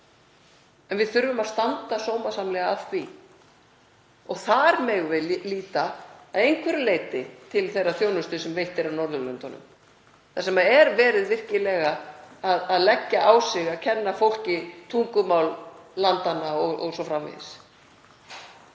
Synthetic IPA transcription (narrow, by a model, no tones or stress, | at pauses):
ɛnvɪðθʏɾvʏmaðst̪ant̪asoːwmḁsamlɛɣaafθvi | ɔɣθaɾmɛɣvɪliːt̪aːðejŋkʰvɛɾʏlejt̪ɪt̪ʰɪlθejrːaθjownʏst̪ʏsɛmvejht̪ɛɾavnɔɾðʏlʏnt̪anʏ̰m | θasɛmaɛɾvɛːɾɪðvɪr̥cɪlɛɣaːðaðlɛcːaʔaːwsɛɣaðcʰɛnːafowl̥cɪt̪ʰuŋkʏmawllant̪anːaɔɣɔ̰ɣsɔfɾamvɪ̰ð̰s